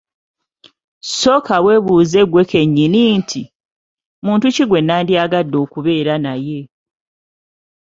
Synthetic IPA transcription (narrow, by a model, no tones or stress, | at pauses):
so̞ːkawe̞ːβuːze̞ɡwe̞kʰe̞ɲːinintʰi | muːntuciɡwe̞nːaːndiaɡadːo̞ːkuβe̞ːɾanaje̞